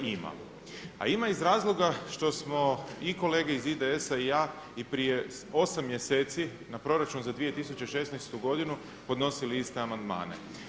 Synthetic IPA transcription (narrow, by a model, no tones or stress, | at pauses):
ima̰ | a̰imaizɾaːzlˠo̞ɡaʃt̪o̞smo̞iko̞le̞ːɡeizid̪eesaija | ipɾije̞o̞samːje̞se̞ːt̪si | napɾo̞ɾat͡ʃunzad̪ʋije̞t̪isut͡ɕeʃe̞snɛjst̪uɡo̞d̪inu | po̞d̪no̞siliist̪e̞amand̪ma̰ːne̞̰